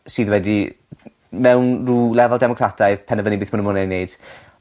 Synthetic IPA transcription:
sɨːðwɛdi | mɛwnruːlɛvalˠdɛmɔkʰratʰajðpʰɛnəvənibɨːθmʊnəmʊnenejd̥

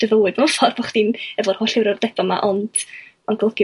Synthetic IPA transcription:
d̥əvəwɨdmafɔrbɔχd̥inɛvɔrhoːɬɪwɾɔrd̥ɛbama̰ʔɔnd̥ | ɔnɡɔlˠɡj

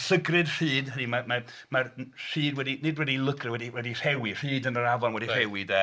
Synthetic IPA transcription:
səɡrɨdr̥ɨːdhənimama | marr̥iːdwɛdinɪdwɛdilˠʊɡʰrɛwɛdiwɛdir̥ɛwir̥iːdənəɾavɔnwɛdir̥ɛwɨdə

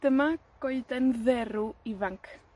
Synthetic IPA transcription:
d̥əmaɡ̥oɨdɛnðɛɾuivaŋkʰ

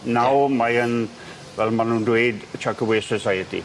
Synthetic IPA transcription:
nawmajən | wɛlmanuduedt͡ʃʰakəwisəsajətḭ

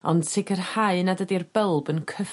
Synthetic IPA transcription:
ɔnd̥sʰɪkʰərhaɨnadədirb̥əlˠbənkʰəf

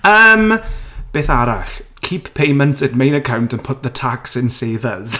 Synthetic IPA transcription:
əːmb̥eːθaɾa̰ɬkʰiːpʰpʰejmə̃ntsɪdmejnəkʰawntənpʰʊt̚ðətʰaksɪ̃nseːvəz̥

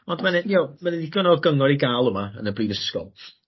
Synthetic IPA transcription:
ɔndmanɛjomanɛdiɡɔnɔɡəŋɔɾiɡaːlˠəmaənəbriːðəskɔ̰lˠ

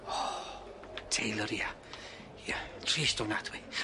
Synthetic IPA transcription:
ɔ | tʰejləɾia | iatʰriːstɔnadwi

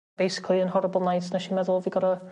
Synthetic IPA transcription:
b̥ejsɪ̥kʰlˠiə̃nɦɔɾəbəl̩ˠnajtnaʃimɛðəlˠviɡɔɾə

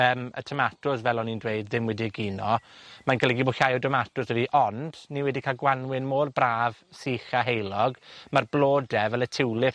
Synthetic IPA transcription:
əːmə̰tʰəmatʰʊsvɛlˠɔnindwejdðɪmwɛdiɡiːnɔmanɡəlɛɡibʊɬajɔdəmatʊsɛdiʔɔnd̥niwɛdikʰalˠɡwanwɪnmoːrbraːv̥siːχaɦejlˠɔɡmarblˠoːdɛvɛlˠətʰɪwlˠɪ

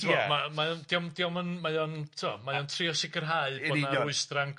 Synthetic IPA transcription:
tʰiɔɛmamajɔndiɔmdiɔmənmajɔntʰuɔ̰majɔntʰriɔsɪkʰərɦaɨbɔdnaɾʊɨstraŋ

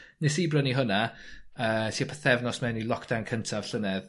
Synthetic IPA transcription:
nɪsibrəniɦʊnaəːsʰiːpʰəθɛvnɔsmɛwnilˠɔkʰd̥awnkʰəntʰav̥ɬənɛð

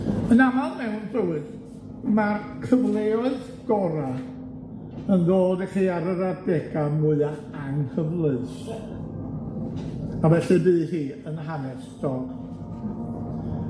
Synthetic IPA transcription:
ənamalˠmɛwnbrəwɨd | mar | kʰəvlˠeɔɨθ | ɡ̥ɔɾa | ənðoːdaχiːaɾəɾadɛɡamʊɨa | aŋhʰəvlˠɨs | avɛɬɨbɨːhiːənɦanɛstɔk

